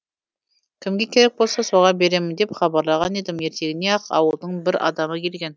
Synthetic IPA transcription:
kʲʰɪmɡʲe̞kʲʰe̞ɾek̚bo̞lˠsɑso̞ʁɑbe̞ɾe̞mɪnd̪epχɑbɑɾlˠɑʁɑne̞d̪ɪmje̞ɾt̪ʰe̞ɡʲɪne̞ɑqɑ̰wəlˠd̪əɴbɪɾʔɑ̰d̪ɑməkʰʲe̞lɡʲe̞n

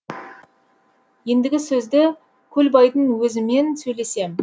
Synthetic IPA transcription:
je̞nd̪ɪɡʲɪsɵzd̪ɪ | kʲʰɵlbɑjt̪ənwɵzɪme̞nsɵjle̞se̞m

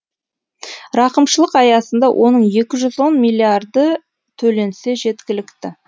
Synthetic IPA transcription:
ɾɑqəmʃəlˠəqɑjɑsənd̪ɑwʔo̞̰nəɴje̞kʲɪʒʏzwo̞nmilʲiard̪ə | t̪ʰɵle̞nse̞ʒe̞t̪kʲɪlɪkt̪ɪ

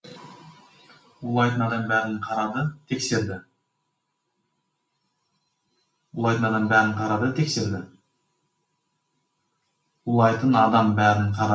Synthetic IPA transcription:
ʊlˠɑjt̪ənɑd̪ɑmbæɾɪqʰɑɾɑd̪ət̪ʰe̞kse̞ɾd̪ɪ | ʊlˠɑjt̪ənɑd̪ɑmbæɾɪɴqʰɑɾɑd̪ət̪ʰe̞kse̞ɾd̪ɪ | ʊlˠɑjt̪ənɑd̪ɑmbæɾɪɴqʰɑɾ

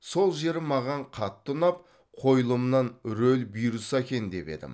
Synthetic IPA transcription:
so̞lˠʒe̞ɾɪmɑʁɑɴqʰɑt̪ːʊnɑp̚ | qʰo̞jlˠəmnɑnɾɵlbijɾusækʲe̞nd̪e̞pe̞d̪ɪ̰m

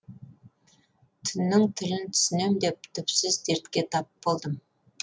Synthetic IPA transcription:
t̪ʰʏnːɪŋt̪ʰɪlɪnt̪ʰʏ̥sɪne̞md̪e̞p̚t̪ʰʏpsɪzd̪eɾt̪kʲe̞t̪ʰɑpb̥olˠd̪əm

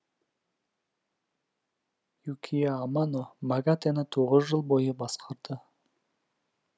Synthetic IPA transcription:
jukʲʰijaːmanomaɡat̪enət̪ʰoʁəzʒəlˠbo̞jəbɑsqʰɑɾd̪̥ə

